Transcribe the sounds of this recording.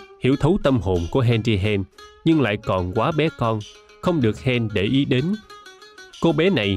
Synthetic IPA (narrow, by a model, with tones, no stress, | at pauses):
hi˧˩əwt̪ʰə˨˦wt̪ə˧mɦo˨˩nku˧˩əɦɛ˧nt͡ɕi˧ɦɛ˧nɲɨ˧ŋla̰ː˧˨jkɔ˨˩nkwaː˨˦ɓɛ˨˦kɔ˧n | xə˧wŋ͡mɗɨ˨˩ək̚hɛ˧nɗe˧˩ʔi˨˦ɗe˨˦n | ko˧˦ɓɛ˨˦na˨˩j